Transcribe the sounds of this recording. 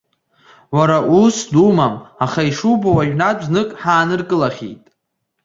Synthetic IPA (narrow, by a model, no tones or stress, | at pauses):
wʷaɾaʔusdumamaχaiʂubawaʒᶣnaznɨkʼħaːnɨrkʼɨlaχʲḛjtʼ